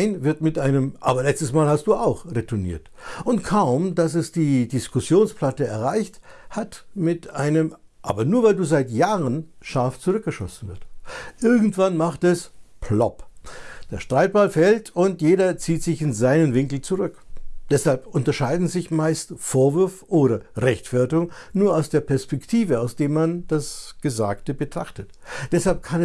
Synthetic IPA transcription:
aɪnvɪɐtmɪtʔaɪnəmʔa̰ːbɐlɛt͡stəsmaːlhast̚d̥uːaʊxʁetʰʊnḭːɐt | ʔʊntkʰaʊmdasɛsd̥iːdɪskʊsjoːnspl̥atəɛɐʁaɪçthatmɪtaɪnəm | ʔaːbɐnuːɐvaɪlduːzaɪtjaːʁənʃaɐft͡suʁʏk̚ɡ̥əʃɔ̰sn̩vɪɐstʔɪɐɡŋ̩tv̥anmaχtɛspʰlɔ̰pd̥eːɐʃtʁ̥aɪt̚b̥alfɛltʰʊntjeːɾɐt͡siːtz̥ɪçɪnzaɪnənvɪŋkl̩t͡suʁʏkd̥ɛshalpʔʊntɐʃaɪdn̩zɪçmaɪstfoːɐvʏɐfʔoːɾɐʁɛçtfɛɐtʊŋnuːɐaʊsd̥eːɐpʰɛɐspɛktʰiːvəaʊsd̥eːmand̥asɡ̥əzaːktəbətʁ̥aχtət | d̥ɛshalp̚kʰanɛ

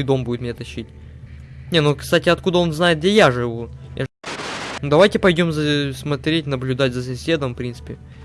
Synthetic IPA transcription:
jd̪o̞mbudʲɪt̪mʲɪnʲet̪ɐɕːitʲ | nʲenukst̪atʲɪɐt̪̚kud̪əo̞nznajɪt̪ɡ̚dʲejaʐɨvuja̰ | nud̪ɐvajtʲɪpɐjdʲo̞mzəsmɐt̪ɾʲetʲnəblʲʊd̪atʲzəsɐsʲe̞d̪əmfpɾʲint̪sɨ̥pʲɪ

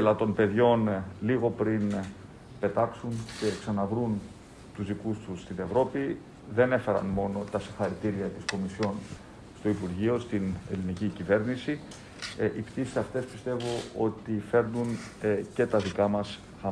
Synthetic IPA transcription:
elɐt̪o̞npe̞ðʝo̞nliɣo̞pɾin | pe̞t̪ɐksunce̞ksɐnɐvɾun | t̪uzðikust̪ust̪ine̞vɾo̞pi | ðe̞ne̞fe̞ɾɐ̰nmo̞no̞t̪ɐsixɐɾit̪iɾiɐt̪isko̞misço̞n | st̪o̞ipuɾʝio̞st̪ine̞̰linicicive̞ɾnisi | ʔipt̪isi̥sɐft̪e̞spist̪e̞vo̞o̞t̪ife̞ɾnun | ce̞t̪ɐðikɐmɐs | xɐ

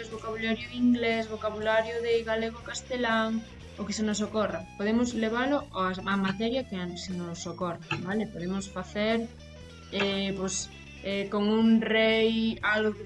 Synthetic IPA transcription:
ezβokaβulaɾjoðiŋɡlezβokaβulaɾjoðeɣaleɣ̞okast̪elaŋ | okes̬enos̬okorapoðemozleβ̞aloaamat̪eɾjakeant̪esenosːokorabalepoðemosfaθeɾ | epojs | ekoŋuŋrejalɣoɣ

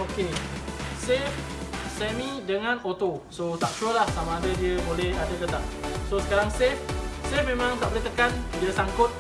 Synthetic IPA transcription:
oke | sef | sɛmĩdəŋãnot̪osot̪aʔ̚t͡ʃuəlahsamãːdədiəbolɛhadəɡət̪aʔ̚sosə̥kaɾaŋsefsefmẽmãŋt̪aʔbəɾit̪əkandiəsaŋkʊt̪̚

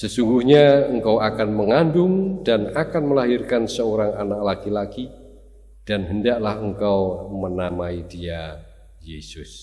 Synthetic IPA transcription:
səsuŋɡuhɲaəŋkawakanməŋandʊŋdanakanməlaɦirkansəoɾaŋanak̚lakilaki | d̥anɦəndaklahəŋkawmənamaidia | jesʊs

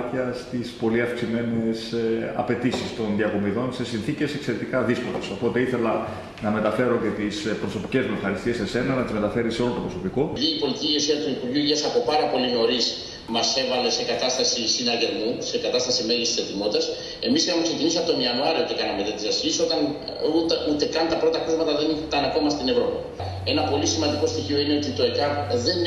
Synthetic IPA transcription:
çɐst̪ispo̞liɐfksime̞ne̞sɐ̰pe̞t̪isist̪o̞nðiɐkomiðo̞nse̞sinθice̞se̞kse̞ɾe̞t̪ikɐðisko̞leso̞po̞t̪e̞iθe̞lɐ | nɐme̞t̪ɐfe̞ɾo̞ce̞t̪ispɾo̞so̞pice̞zmexɐɾist̪iesese̞nɐnɐt̪izme̞t̪ɐfe̞ɾiseolot̪o̞pɾo̞sopiko̞ðiipo̞lit̪icʲiiosiɐt̪uipuɾʝuʝɐsɐpo̞pɐɾɐpo̞lino̞ɾis | mɐse̞vɐle̞se̞kɐt̪ɐst̪ɐsisinɐʝe̞ɾmuse̞kɐt̪ɐst̪ɐsime̞ʝist̪i̥sθet̪imo̞t̪ːɐs | e̞̰miseɐmekse̞cinisɐpt̪oiɐnuɐɾiout̪ekɐnɐmet̪et̪isɐsçiso̞t̪ɐn | ut̪ut̪e̞kɐnt̪ɐpɾo̞t̪ɐkozmɐt̪ɐðe̞nit̪ɐnɐko̞mɐst̪ine̞vɾo̞pi | e̞nɐpo̞lisimɐnd̪iko̞st̪içio̞ine̞ot̪it̪o̞ekɐpðe̞n

